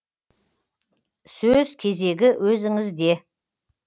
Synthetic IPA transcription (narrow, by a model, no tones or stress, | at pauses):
sɵzkʲʰe̞ze̞ɡʲɪwʔɵzɪŋɪzd̪e̞